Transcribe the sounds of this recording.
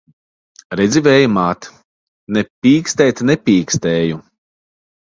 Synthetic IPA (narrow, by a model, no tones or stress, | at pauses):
ɾɛd̪zʲivɛːjumaːt̪ | nɛpʲiːkst̪ɛːt̪nɛpʲiːkst̪ɛːju